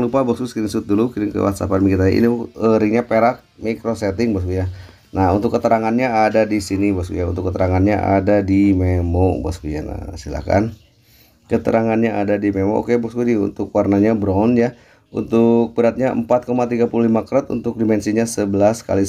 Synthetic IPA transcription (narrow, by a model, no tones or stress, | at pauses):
lupabɔksɡuskiɾiŋsut̪̚dulukiɾɪŋkə̰wa̰t̪sa̰panmiŋɡit̪aa̰ʔḭniəɾiŋɲapeɾak̪̚mikɾosɛt̪ɪŋbaskuja | naunt̪ʊkːət̪əɾaŋanɲaːdadisinibasɡṵjaunt̪ʊkːət̪əɾaŋanɲa̰ʔa̰dadimemɔbɔskuja̰na̰sila̰hka̰n | kət̪əɾaŋanɲaʔadadimemo̰ʔo̰kebɔk̚sɡudiṵnt̪ʊkwarnaɲabɾɔnja | ṵnt̪ʊk̚bəɾat̪̚ɲaə̰mpat̪̚komat̪iɡapululimakəɾɔt̪ṵnt̪ʊk̚dimɛnsiɲasəbəlaska̰li